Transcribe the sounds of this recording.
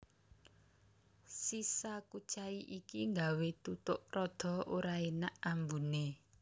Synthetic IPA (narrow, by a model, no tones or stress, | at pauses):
sisakut͡ʃaiʔikiŋɡawet̪ut̪ʊʔrɔd̪̥ɔ̤oɾaenaʔambune